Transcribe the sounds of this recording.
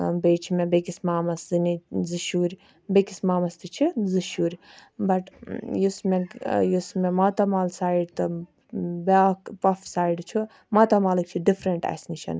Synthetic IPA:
beːt͡ʃʰimẽbekismaːmɐsziniziʃuːɾʲ | bekismaːmɐst̪it͡ʃʰizɨʃuːɾʲbɐʈjusmejusmemat̪ɐmaːlsaːjiɖt̪ɨ | baːkpɐfsaːiɖt͡ʃʰu | mat̪amaːlɨk̚t͡ʃʰiɖifʰɾɐɳʈa̰sniʃɐ̰n

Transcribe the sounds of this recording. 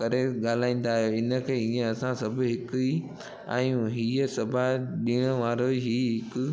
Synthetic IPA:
kɐɾeɠaːl̤aːĩːn̆d̪aːɦjoɪnə̆kʰeːiːẽɐsãsɐbʱɦɪki | ãːɦiːəsɐbʱaɗiːɽ̃əʋaːɾoɦiːɦɪkʊ

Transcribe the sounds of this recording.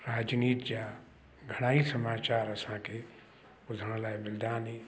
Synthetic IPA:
ɾaːd͡ʒniːt̪ja | ɡʱəɽ̃aːisəmaːt͡ʃaːɾəsãke | ʊd̪ʱəɽ̃laebɪld̪aːni

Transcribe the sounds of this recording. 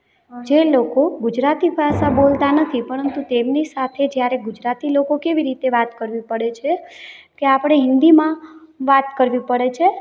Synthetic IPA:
d͡ʒelokoɡʊd͡ʒɾat̪ibʱasabolt̪anət̪ʰipəɾənt̪ut̪emnisat̪ʰed͡ʒjaɾeɡʊd͡ʒɾat̪ilokokeʋiɾit̪eʋat̪kəɾʋipəɽet͡ʃʰekeapəɽ̃eɦɪnd̪imãʋat̪kəɾʋipəɽet͡ʃʰe

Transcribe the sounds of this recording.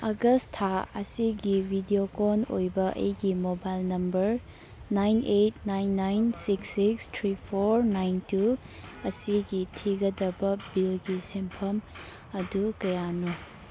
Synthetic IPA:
ɐɡɐstʰaɐ̰siɡibʱidiokonojbɐʔɐ̰jɡimobajlnɐmbɐɾ | najnet̚najnːajnsiksikstʰɾipʰoɾnajntu | ɐsiɡitʰiɡɐdɐbɐbilɡisempʰɐm | ɐdukɐjanu

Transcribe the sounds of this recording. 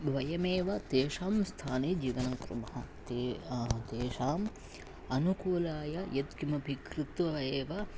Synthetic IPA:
bʱʋɐjɐmeːʋɐt̪eːʂaːmst̪ʰaːneːd͡ʒiːʋɐnɐŋkɾṵmɐɦɐt̪et̪eːʂaːm | ɐnukuːlaːjɐjɐt̪kimɐbʱikɾɪt̪ʋɐʋɐeːʋɐ

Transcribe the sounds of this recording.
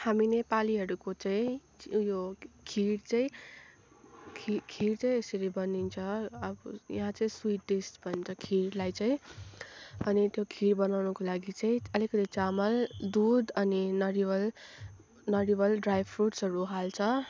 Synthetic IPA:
haminepaliɦʌɾukot͡saĩ | jokʰiɽt͡saĩ | kʰikʰiɽt͡saĩesʌɾibʌnint͡sʰʌʌbʌja̰ɦãt͡sʌĩswiʈɖiskbʱʌnt͡sʰʌkʰiɽlajt͡sãĩ | ʌnit̪jokʰiɾbʌnawnʌkolaɡit͡saĩʌlikʌt̪it͡samʌld̪ud̪ʌninʌɽibʌl | nʌɽibʌlɖrajbʰruʈsɦʌɾuɦalt͡sʰʌ

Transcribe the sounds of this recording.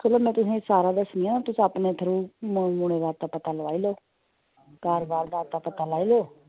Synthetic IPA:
kʰoloːmɛ̃ːt̪ʊsẽːsaːɾaːd̪əsnɪjãːnat̪ʊsapneːt̪ʰəɾũːmə̃mʊɽ̃eːʋaːɾt̪aːpət̪aːləʋaːiːloː | kaːɾbaːɾd̪aːɾt̪aːpət̪aːlaːiːloː

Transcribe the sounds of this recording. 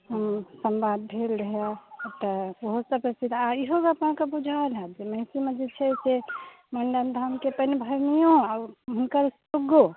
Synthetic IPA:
hɦəmsəmbad̪̚bʱelɾəɦjat̪əoɦosəpɾəsid̪ʱaiɦobəpnãkəbud͡ʒʱalɦɛd͡ʒeməɦɪ̃simed͡ʒet͡ʃʰɛse | məɳɖənd̪ʱamkepənebʱəɾmijõaɦunkəɾs | uɡo

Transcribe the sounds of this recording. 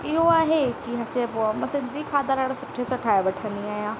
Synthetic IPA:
ɪɦoaːɦekiɦɐt͡ʃebomɐsɪ̃nd̪ikʰaːd̪aɾaɽsʊʈʰːesɐʈʰaːeʋɐʈʰə̃niaːjãː

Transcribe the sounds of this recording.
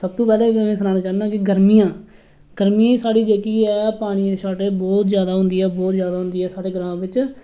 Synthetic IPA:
səb̚t̪õːpɛːleːmẽːs̬ənaːnaːd͡ʒaːnnãːkɪɡəɾmijãː | ɡ̥əɾmijãːiːsaːɽiːd͡ʒeːkiːɛːpaːɽ̃iːd̪eːʃaːʈeːbɔːt̪zjaːd̪aːɦʊ̃nd̪iːɛːbɔːt̪zjaːd̪aːɦʊ̃nd̪iːɛːsaːɽeːɡəɾãːãːʋɪt͡ʃ

